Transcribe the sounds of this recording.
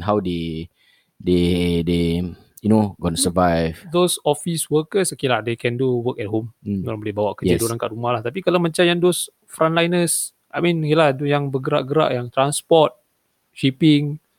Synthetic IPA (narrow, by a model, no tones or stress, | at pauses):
ɦawde | dede | junoɡɔ̃nsəvajvdosɔfiswəkəskiladekɛ̃nduwəkɛt̚ɦom̩olabolɪbawaʔkəjd͡ʒildoɾanka̰ʔɾumahlaht̪ap̬ikalamə̃ɲt͡ʃajandos | fɾãntlajnəs | ʔajmĩnkiladujaŋbəɡəɾa̰ʔɡəɾa̰ʔjaŋt̪ɾanspɔt̚ | ʃipɪŋ